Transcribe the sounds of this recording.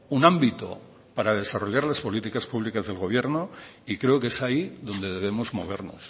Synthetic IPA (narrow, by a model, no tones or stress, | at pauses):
unãmbit̪o̰ | paɾað̞e̞saro̞ʎaɾlaspo̞lit̪ikaspuβlikazðe̞lɣ̞o̞β̞je̞ɾnoikɾe̞oke̞saiðo̞nd̪e̞ðe̞β̞e̞mo̞zmo̞̰β̞e̞ɾno̞̰s